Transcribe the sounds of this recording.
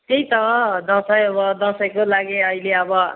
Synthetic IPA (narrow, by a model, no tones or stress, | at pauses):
t̪ejt̪ʌkʌd̪ʌ̃sʌjʌbʌd̪ʌ̃sʌjkolaɡeʌileʌbʌ